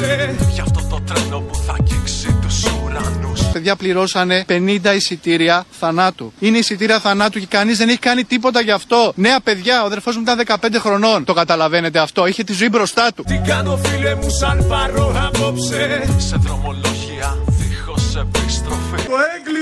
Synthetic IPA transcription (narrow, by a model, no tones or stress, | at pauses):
eʝɐft̪ot̪o̞t̪ɾelo̞puθɐciksit̪usuɾɐnuse̞ðʝɐpliɾo̞sɐne̞pe̞nind̪ɐisit̪iɾiɐθɐnɐt̪uine̞isit̪iɾiɐθɐnɐt̪uce̞kɐnizðeneçi̥kɐnit̪ipo̞t̪ɐʝɐːft̪o̞ne̞ɐpe̞ðʝɐoɐðe̞lfo̞zmuit̪ɐnðe̞kɐpe̞nd̪e̞xɾo̞no̞nt̪o̞kɐt̪ɐlɐve̞ne̞t̪eɐft̪o̞içe̞t̪izoibɾo̞st̪ɐt̪ut̪iɡɐnofilemusɐnpɐɾoɐpopseseðɾo̞mo̞lo̞ʝiɐixo̞sepist̪ɾofit̪oeɡli